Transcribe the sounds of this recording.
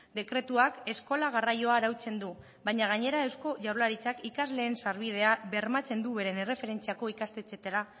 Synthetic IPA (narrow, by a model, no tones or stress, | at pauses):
d̪e̞kɾe̞t̪uake̞sko̞laɣ̞arajo̞aɾawt͡se̞nd̪u | baɲaɣ̞aɲe̞ɾae̞wsko̞ʝawɾlaɾit͡sakikazle̞ːnsaɾβið̞e̞aβe̞ɾmat͡se̞nd̪uβe̞ɾe̞ne̞re̞fe̞ɾe̞nt͡siako̞ikast̪e̞t͡se̞t̪aɾa